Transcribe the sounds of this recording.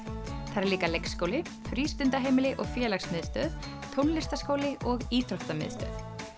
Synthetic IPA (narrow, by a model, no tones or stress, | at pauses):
θaɾɛliːkalejksːkowlɪ | fɾiːst̪ʏnt̪aɦejmɪlɪʔɔɣfjɛːlaksmɪðst̪œ̰ːð | t̪ʰownlɪst̪askoːwlɪɔɣiːt̪ʰɾɔht̪amɪ̰ðst̪œ̰ːð